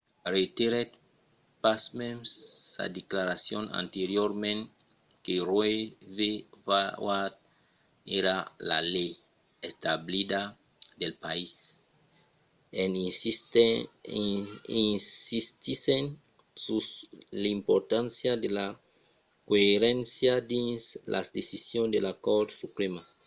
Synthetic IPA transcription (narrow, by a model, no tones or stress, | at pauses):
ret̪eɾet̪ | pasmemsːa̰d̪eklaɾasjõnã̰nt̪eɾjoɾmẽn | kerwevevawad̪̚ | eɾala̰lej | est̪ablid̪a | d̪elpais | en | inist̪isen | suslaimpoɾt̪ãnsjad̪ela | koeɾẽnsjad̪inslʔa̰sd̪esisjõnd̪elakoɾd̪supɾema